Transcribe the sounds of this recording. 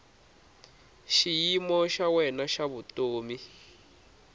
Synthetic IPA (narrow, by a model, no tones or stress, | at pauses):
ʃijimɔʃawɛnaʃaβutʼoːmi